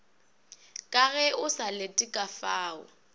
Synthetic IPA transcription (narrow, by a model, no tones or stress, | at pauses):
kʼaɣɛʔʊsaletʼɪkʼafaːʊ̰